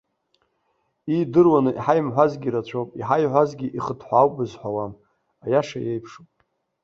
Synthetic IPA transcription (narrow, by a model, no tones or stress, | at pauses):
idɨrwanɨʔiħajmħʷazɡʲiɾat͡ɕʷʰowpʼiħajħʷazɡʲiʔiχədʰħʷawpʼɨzħʷawam | ajaʂajejpʰʂupʼ